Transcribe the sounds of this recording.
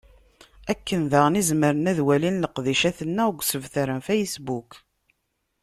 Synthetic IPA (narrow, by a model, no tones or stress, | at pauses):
ækːənðaʁnizməɾənæðwælinləqðiʃæθənːæəɡʷsəvθəɾənfæjəsbuk